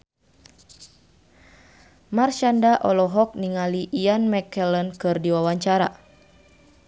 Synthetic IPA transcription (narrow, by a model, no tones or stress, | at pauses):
marʃandaʔɔlɔɦɔk̚niŋaliʔːjanmɛkɛlənkɨrdiwawaɲt͡ʃaɾa̰